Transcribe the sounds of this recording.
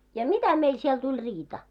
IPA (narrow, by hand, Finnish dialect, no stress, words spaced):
jɑ mitæ meil siel tulʲ riːtɑ